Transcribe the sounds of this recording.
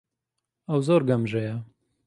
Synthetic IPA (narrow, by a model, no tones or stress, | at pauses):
ɐwzoːɾɡɐmʒɐjɐ